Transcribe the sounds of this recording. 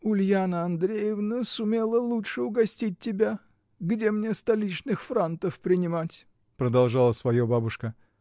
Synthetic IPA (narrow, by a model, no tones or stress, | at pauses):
ʊlʲjanəɐnd̪ɾʲejəvnəsʊmʲe̞lˠəlˠutʂɨʊɡɐsʲtʲit̚ʲtʲːɪbʲa | ɡdʲe̞mnʲest̪ɐlʲit͡ɕnɨxfɾant̪əfpɾʲɪnʲɪmatʲ | pɾəd̪ɐlˠʐalˠəsvɐjobabʊʂkə